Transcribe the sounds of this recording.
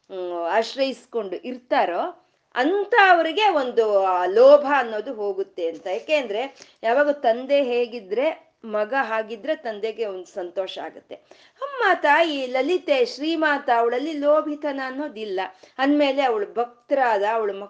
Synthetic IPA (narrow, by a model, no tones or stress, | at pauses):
aːʃɾɐjisko̞ɳɖuʔiɾt̪aːɾoː | ɐnt̪ʰɐːʋɐɾiɡe̞o̞nd̪ulɔːbʱɐːnːo̞ːd̪uɦo̞ːɡut̪ːeɐnt̪ɐjaːkeːnd̪ɐɾe̞jaːʋaːɡɐt̪ɐnd̪e̞ɦeːɡid̪ɾe̞ | mɐɡɐɦaːɡid̪ːɾe̞t̪ɐnd̪e̞ɡe̞ond̪usɐnt̪ɔːʃɐa̰ːɡut̪ːe̞ | ɐmːaːt̪ɐiːlɐlit̪e̞ʃɾiːmaːt̪ɐːʋɐɭɐlːiloːbʱit̪ʰɐnɐːnːo̞ːd̪ilːɐɐnme̞ːle̞ɐʋɐɭubʱɐk̚t̪ɐɾaːd̪ɐːʋɐɭumɐ